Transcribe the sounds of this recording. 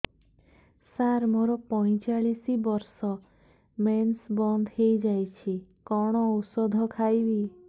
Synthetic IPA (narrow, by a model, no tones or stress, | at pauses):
saɾmoɾɔpɔj̃t͡ʃaɭisibɔɾsɔ | mensbɔnd̪ʱɦejd͡ʒajt͡ʃʰikɔɽ̃ɔusɔd̪ʱɔkʰajbi